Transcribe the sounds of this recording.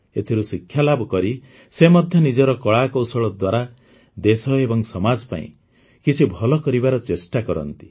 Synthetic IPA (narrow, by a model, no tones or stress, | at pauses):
et̪ʰiɾusikʰːjalabʱɔkɔɾi | semɔd̪ʱjɔnid͡ʒɔɾɔkɔɭakɔwsɔɭɔd̪waɾa | d̪esɔebɔŋsɔmad͡ʒɔpa̰ḭ̃ | kit͡ʃʰibʱɔlɔkɔɾibaɾɔt͡ʃesʈakɔɾɔ̰nt̪i̥